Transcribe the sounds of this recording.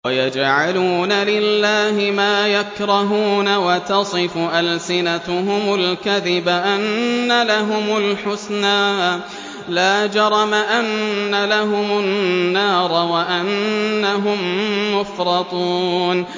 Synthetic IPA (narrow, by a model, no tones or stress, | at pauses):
wajad͡ʒʕaluːnalɪlːaːhɪmaːjakɾˤɑɦuːnawat̪ɑsˤɨfʊʔalsɪnat̪ʊɦʊmʊlkaðɪbaʔanːalaɦʊmʊlħʊsnaː | laːd͡ʒɑɾˤɑmaʔanːalaɦʊmʊnːɑːɾˤɑwaʔanːaɦʊmːʊfɾˤɑt̪ˤuːn